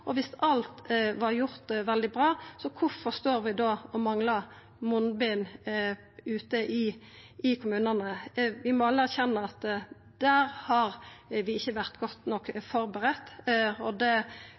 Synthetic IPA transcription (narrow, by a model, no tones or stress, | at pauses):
ʔɔʋɪsɑlt̪ʋɑɾjʊɾt̪ʋɛld̪ɪbɾɑːsɔkʰʊfɔst̪oːɾʋɪd̪oːɔmɑŋlɑ | mʊnbiːn | ʉːt̪əʔɪ | ɪkʰʊmʉːnənəʋɪmɔɑlːəæɾçɛnːəɑt̪ | d̪̥æːɾhɑɾʋɪɪçːəʋæʁt̪ɡɔt̪nɔkːfɔɾbəɾət̪ːɔd̪ɛ